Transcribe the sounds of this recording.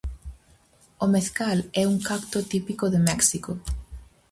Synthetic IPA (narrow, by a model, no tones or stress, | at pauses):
ʊmeθkalɛuŋkakt̪ʊt̪ipikoðɪmɛksiko